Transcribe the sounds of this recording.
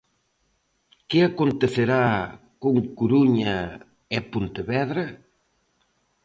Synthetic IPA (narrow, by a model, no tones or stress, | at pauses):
kɪakont̪eθeɾa | koŋkuɾuɲɐ | epont̪eβɛðɾɐ